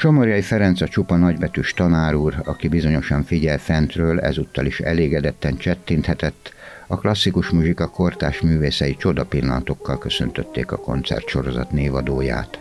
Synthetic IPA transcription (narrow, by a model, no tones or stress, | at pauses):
ʃomoɾjɒjifɛɾɛnt̪sɒt͡ʃupɒnɒɟbɛt̪yʃt̪ɒnaːɾuːrɒkibizo̞ɲo̞ʃɒɱfiɟɛlfɛnt̪røːlɛ̰zuːt̪ːɒliʃɛ̰leːɡɛd̪ɛt̪ːɛnt͡ʃɛt̪ːint̪hɛt̪ɛt̪ː | ɒklɒsːikuʃmuʒikɒko̞rt̪a̰ːʃmyːveːsɛjit͡ʃo̞d̪ɒpilːɒnɒt̪o̞kːɒlkøsø̰nt̪øt̪ːḛːkɒko̞̰nt̪sɛ̰rt̪ʃo̞ɾo̞zɒ̰t̪neːvɒd̪oːja̰ːt̪